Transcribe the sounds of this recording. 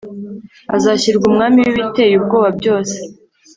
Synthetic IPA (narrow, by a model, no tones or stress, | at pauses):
a̰zaçiɾɡumŋaːmiwiβite̞ːjub̚ɡoːβabɟo̞ːse̥